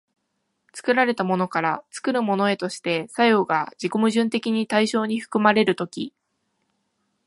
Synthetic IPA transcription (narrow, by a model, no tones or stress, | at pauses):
t͡sɨ̥kɯ̟ɾaɾe̞t̪amo̞no̞kaɾat͡sɨ̥kɯ̟ɾɯ̟mo̞no̞e̞t̪o̞ɕi̥t̪e̞sajo̞ːɡad͡ʑikomɯ̟ʑɨ̃nt̪e̞kʲiɲ̟it̪aiɕo̞ːɲ̟iɸɯ̟̥kɯ̟maɾe̞ɾɯ̟t̪o̞kʲḭ